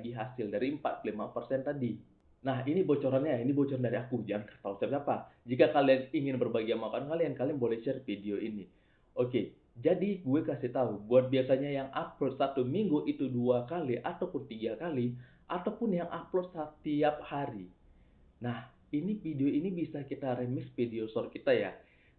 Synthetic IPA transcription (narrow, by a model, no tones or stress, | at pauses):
ɡiɦasɪldaɾimpa̰t̪̚plimapərsɛnt̪adi | naɦinibot͡ʃoɾanɲainibot͡ʃɔɾandaɾiakud͡ʒaŋkət̪ausiapsiapad͡ʒikakalianiŋɪnbərbaɡianmakankaliankalianbolɛht͡ʃərfideoʔini | ʔoke | d͡ʒadiɡuekasɪht̪aubuat̪̚biasaɲajaŋʔaplɔt̪̚sat̪umiŋɡuʔit̪uduakaliʔat̪awpʊnt̪iɡakali | ʔat̪awpʊnjaŋʔaplɔt̪̚sat̪iap̚haɾi | nah | inifideoinibisakit̪aɾemɪsfideosɔrkit̪aja̰